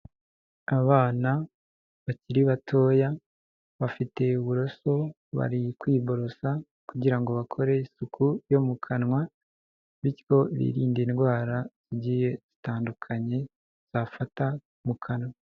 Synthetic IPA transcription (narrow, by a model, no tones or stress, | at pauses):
aβaːna | βaciɾiβatʰo̞ːja | βafite̞uβuɾo̞so̞ | βa̰ɾikwiːβo̞ɾo̞sa | kuɟiɾaŋɡo̞βakʰo̞ɾe̞isukʰujo̞mukʰanŋwa | βitko̞βḭɾḭːndiːnɡwaːɾaz̥iɟije̞z̥itaːndukʰaɲe̞ | z̥afata | mukʰanwa